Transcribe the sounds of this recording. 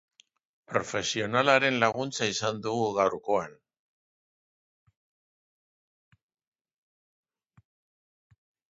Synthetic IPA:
pɾo̞fe̞sio̞nalaɾe̞nlaɣunt͡saisand̪uɣuɣawɾko̞an

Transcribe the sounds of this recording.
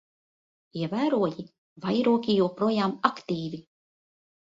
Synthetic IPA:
iɛvæːɾuɔji | vajɾuɔkʲijuɔpɾuɔjaːmakt̪iːvʲi

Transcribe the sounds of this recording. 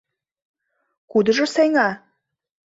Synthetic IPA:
kud̪ə̆ʒə̆seŋɑ

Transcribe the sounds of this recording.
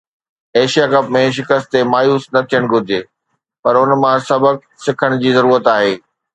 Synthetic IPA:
eːʃijakɐpmẽʃ̬ɪkəst̪t̪emaːjuːsnɐt̪ʰijəɽ̃ɡʱʊd͡ʑʱeː | pɐɾʊnmãsɐbək̚ | sɪkʰəɽ̃d͡ʑiːzɐɾuːɾət̪aːɦeː

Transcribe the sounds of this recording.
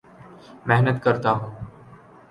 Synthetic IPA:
mɛɦnət̪kəɾt̪aɦũː

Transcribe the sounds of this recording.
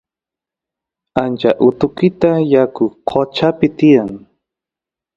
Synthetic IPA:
ant͡ʃaʔʊt̪ʊkɪt̪ajakʊqʰot͡ʃapɪt̪ɪjaŋ

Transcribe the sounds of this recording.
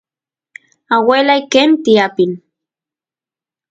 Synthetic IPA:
awelajkent̪iapin

